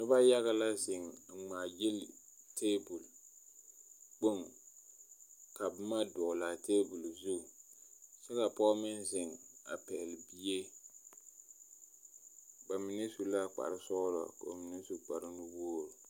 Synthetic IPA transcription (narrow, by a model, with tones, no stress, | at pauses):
nʊ˦ba˦ja˦ɣa˦la˦zɪ˨ŋ̩˨ŋ͡ma˨jɪ˦l | tʰeː˦bʊ˨l | k͡po˦ŋ | ka˨bɪ˦ma˦dɔ˨la˨teː˦bu˨lzu˦ | sɛ˦ka˨pɔ˦mɪ˦nzɪ˨ŋa̰˨pɛ˨lbi˨je˦ | ba˨mi˨ne˦su˨la˦k͡pa̰˨ɾsɔ˦lɔ̰˨ka˨o˨mɪ˨ne˦su˦k͡pa˨ɾɪ˦nu˦wo˦˨ɾo˨